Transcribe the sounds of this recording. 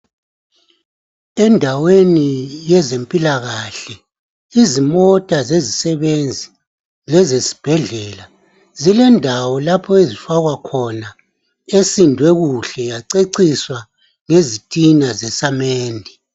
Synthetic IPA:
ɛndʱawenijɛzempʼilaɣaɬɛ | izimɔtʼazezisɛβend͡zʱi | lɛzesi̥b̥ʱɛɮɛːla | zilɛndʱawɔlapʰɔezifaɣwakʰɔna | esindʱwɛɣuɬɛjaǀeǀiswa | ŋezitʼinazɛsameːndʱi

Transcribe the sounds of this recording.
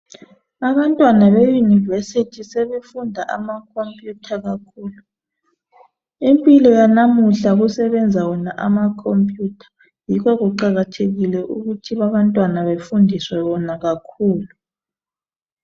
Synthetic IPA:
aβantʼwanaβejunivesitʰiseβefundʱaʔamakʰompʼjutʰaɣakʰuːlu | impʼilɔjanamuɬaɣusɛβɛnd͡zʱawɔnaʔamakʰompʼjuːtʰḁ | jikɔɣuǃaɣatʰeɣilɛʔuɣutʰiβaβantʼwanaβefundʱiswɛβɔnaɣakʰuːlu

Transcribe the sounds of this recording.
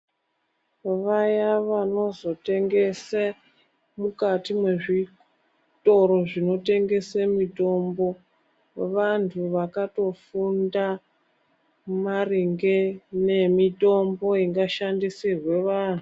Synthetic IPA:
ʋajaʋano̞zo̞te̞ŋɡe̞se | mukatimwe̞ʐi | to̞ɾo̞ʐino̞te̞ŋɡe̞semito̞mbo̞ | ʋantʰuʋakato̞funda | mariŋɡene̞mito̞mbo̞iŋɡaʃandisirwe̞ʋaːn̤u

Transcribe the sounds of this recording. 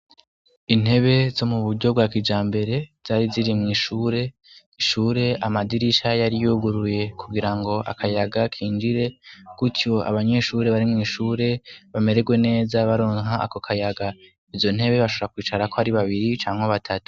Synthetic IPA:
in̥he̞βe̞zo̞muβuɟɟo̞b̚ɡwaːkid͡ʒaːmbe̞ɾe̞z̥aːɾiziɾimŋiːʃuːɾe̞ | iʃuːɾe̞ʔamadiɾiʃajaɾijuːɡuɾuje̞kuɡiɾaŋɡo̞ʔa̰kʰajaɡakʰiːnd͡ʒiɾe̞kutjo̞a̰βaɲe̞ʃuːɾe̞βaɾimŋiːʃuːɾe̞βame̞ɾe̞ɡwe̞ne̞ːzaβaɾo̞ːŋɦaa̰ko̞kʰajaɡa | izo̞n̥e̞βe̞βaʃo̞βoɾakwiːt͡ʃaɾakohaɾiβaβiɾit͡ʃaːŋ̥eβatʰatu̥

